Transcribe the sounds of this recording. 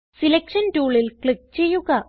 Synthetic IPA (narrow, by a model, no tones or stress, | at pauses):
silekʂɐntuːɭilkɭik̚t͡ɕe̞jːuɣɐ